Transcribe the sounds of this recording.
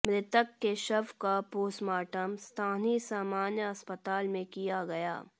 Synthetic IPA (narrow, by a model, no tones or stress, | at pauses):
mɾɪt̪əkːeʃɐbkapoːsmaːʈəmst̪ʰaːnisaːmaːnjəɐspət̪aːlmẽkijaɡɐja̰ː